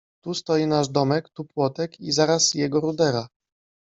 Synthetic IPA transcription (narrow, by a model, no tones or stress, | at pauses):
t̪ust̪ɔjinaʐd̪ɔmɛkt̪upwɔt̪ɛkizaɾasjɛɡɔɾud̪ɛɾa